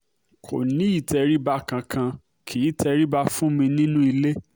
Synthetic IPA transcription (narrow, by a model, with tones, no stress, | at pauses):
kʰo̰˨nĩ˨˦i˦˨tʰɛ˧ɾi˦ba˧kã˧kʰã˧ | kʰi˨˦tʰɛ˧ɾi˦ba˧fũ˦mĩ˧nĩ˦nũ˦i˧le˦